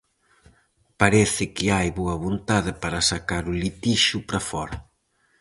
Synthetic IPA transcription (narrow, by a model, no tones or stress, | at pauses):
paɾɛθɪkɪajβoɐβont̪aðɪpaɾɐsakaɾulit̪iʃupɾɐfɔɾɐ